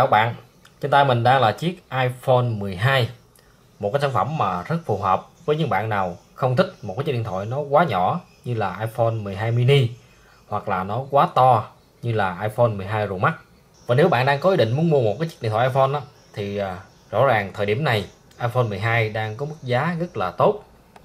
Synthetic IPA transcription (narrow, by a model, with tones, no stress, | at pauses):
aː˧˩wɓa̰ː˧˨n | t͡ɕe˧nt̪aː˧jmï˨˩ŋ̟ɗaː˧ŋlaː˨˩t͡ɕi˦˥ək̚ʔaː˧jfo˧nmɨ˨˩əjɦaː˧j | mo˨˩t̚kːaː˨˦saː˧nfə˧˩mːaː˨˩zə˦˥t̚fu˨˩ɦəː˨˩p̚vəː˨˦jɲɨ̰˧˦ŋɓa̰ː˧˨nnaː˨˩w | xə˧wŋ͡mt̪ʰï˦˥k̟̚mo˨˩t̚kːaː˨˦˥ɗḭ˧˨nt̪ʰɔ̰˧˨jnɔ˨˦kwaː˨˦ɲɔ̰˧˩˨ | ɲɨ˧laː˨˩ʔaː˧jfo˧nmɨ˨˩əjɦaː˧jmi˧ni˧ | hwa˨˩k̚laː˨˩nɔ˨˦kwaː˨˦t̪ɔ˧ | ɲɨ˧laː˨˩ʔaː˧jfo˧nmɨ˨˩əjɦaː˧jzo˨˩ma˦˥t̚ | vaː˨˩ne˨˦wɓa̰ː˧˨nɗaː˧ŋkɔ˨˦ʔi˧˩ɗḭ˧˨ŋ̟u˨˦ənmu˧əmo˨˩t̚kːaː˨˦jt͡ɕ̚ɗḭ˧˨t̪ʰːʔːfɔ˧nʔaː˨˦ | t̪ʰi˨˩˨ | zɔ̰˧˥zaː˨˩ŋt̪ʰəː˨˩jɗi˧˩əmna˨˩j | ʔaː˧jfo˧nmɨ˨˩jɦaː˧jɗaː˧ŋkɔ˨˦mɨ˦˥k̚zaː˨˦ɣə˦˥t̚laː˨˩t̪o˦˥t̚